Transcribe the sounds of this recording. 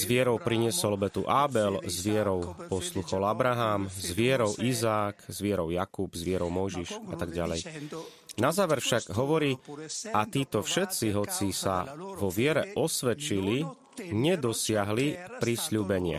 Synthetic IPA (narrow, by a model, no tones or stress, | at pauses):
zʋɪɛɾɔʊpɾiɲɪɛsɔlbɛt̪ṵʔaːbɛlzʋɪɛɾɔʊpɔsluxɔlabɾaɦaːmzzʋɪɛɾɔʊʔizaːkzʋɪɛɾɔʊjakubzʋɪɛɾɔʊmɔjʒiʃat̪aɡɟa̰lɛ̰j | nazaːʋɛɾfʃaɡɦɔʋɔɾiːʔat̪iːt̪ɔfʃɛt̪t͡siɦɔt͡sisa̰ʋɔʋɪɛɾɛʔɔsʋɛt͡ʃili | ɲɛd̪ɔsɪaɦlipɾisʎuːbɛɲɪa̰